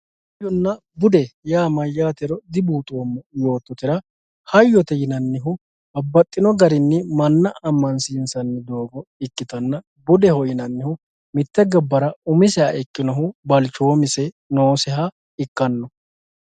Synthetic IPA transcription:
hɐjːɔnːɐ | bʊd̪ɛjaːmɐjːaːt̪ɛɾɔd̪ɪbuːt̪ʼoːmːɐjo̞ːt̪ːɔt̪ɪɾɐ | hɐjːɔt̪ɛjɪnɐnːɪɦʊ | bɐbːɐt̪ʼːɪnɔɡɐɾɪnːɪmɐnːɐɐmːɐnsiːnsɐnːɪd̪o̞ːɡɔɪkːɪt̪ɐnːɐ | bʊd̪ɛhɔjɪnɐnːɪhʊ | mɪt̪ːɛɡɐbːɐɾɐʊmɪsɛɐɪkːɪnɔɦʊbɐlt͡ʃoːmɪsɛ | noːsɛɦɐ | ɪkːɐnːɔ

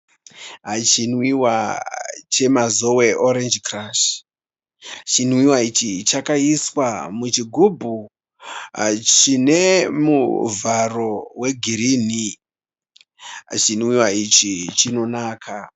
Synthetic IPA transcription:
ɦat͡ʃinwiwa | t͡ʃe̞mazo̞weʔoɾend͡ʒkraʃ | at͡ʃinwiwait͡ʃit͡ʃakaiswamut͡ʃiɡʱubʱu | at͡ʃine̞mṵvaro̞we̞ɡʱiɾini | ɦa̰t͡ʃinwiwait͡ʃit͡ʃino̞naːkʰa

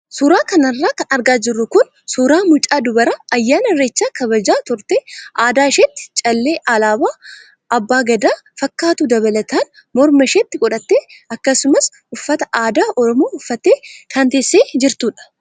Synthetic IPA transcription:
suːɾaːkɐnɐrːaːkɐnɐɾɡaːd͡ʒɪrːʊkʊn | suːɾaːmʊt͡ʃʼaːd̪ʊbɐɾaʔɐjːaːnɐɾeːt͡ʃːaːkɐβɐd͡ʒaːt̪ʊɾt̪eːʔaːd̪aːɪʃeːt̪ːɪ̥t͡ʃʼɐlːeːʔalaːbaː | ʔɐbːaːɡɐd̪aːfɐkːaːt̪ud̪ɐβɐlɐt̪aːn | mɔɾmɐʃeːt̪ːɪkʼɔᶑɐt̪ːeːʔɐkːɐsʊmɐs | ʔʊfːɐt̪ɐʔaːd̪aːʔɔɾɔmoːʊfːɐt̪ːeːkʰɐnt̪eːsːeːd͡ʒɪɾt̪uːᶑɐ̥

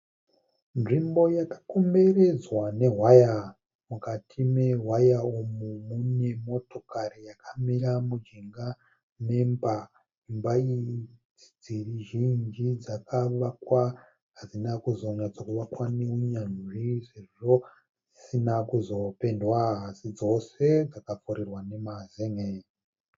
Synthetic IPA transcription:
nʐimbo̞jakḁko̞me̞ɾe̞d͡zwane̞ɦwaja | mukatʰime̞ɦwajaumumune̞mo̞to̞kaɾijakʰamiɾamud͡ʒiŋɡa | ne̞mba | imbaid͡zid͡ziriʒind͡ʒid͡zakʰaakwa | ɦazinakuzoɲad͡zokuʋakwaneuɲanʐiʐe̞ʐo̞ | isinakuzope̞ndwaɦɦasid͡zo̞se̞d͡zakafuɾirwane̞mazeŋei

